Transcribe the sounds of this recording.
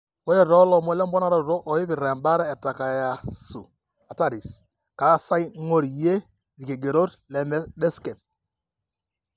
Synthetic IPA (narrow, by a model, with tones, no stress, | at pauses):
wɛ˦ɾɛ˨ɾɔ˦lɔ˨mwɛ˦lɛ˦mbɔ˦na˦ɾɔ˦ɾɾo˦ʔɔ˨ɪ˦βɪ˨ɾɛ˨mba˦ɾɛː˦˨ta˨ka˨ja˨su˨ | a˨ta˦˨ɾi˨s | ka˨˦sa˦jŋo˦ɾje˦ | ði˨ke˨ɡe˨ɾo˦tlɛ˨˦mɛ˦dɛ˦skɛ˨p̚